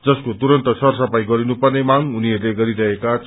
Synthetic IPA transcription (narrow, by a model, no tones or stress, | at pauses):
d͡zʌskot̪uɾʌnt̪ʌsʰʌrsʌpajɡʌɾinupʌrnemaŋɦuniɦʌrleɡʌɾiɾʌɦekat͡s